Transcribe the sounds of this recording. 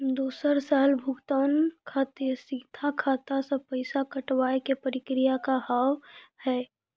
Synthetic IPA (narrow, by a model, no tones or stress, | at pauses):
d̪oːsəɾsaːlbʱʊɡt̪aːnkʰaːt̪esiːt̪ʰakʰaːt̪asepəɪsakəʈwaːekepəɾɪkɾɪjakaɦaːwhɛː